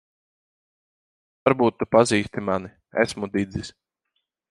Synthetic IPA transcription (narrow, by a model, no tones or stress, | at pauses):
aɾbuːt̪ːupaziːst̪imani | æ̰smud̪id̪zisʲ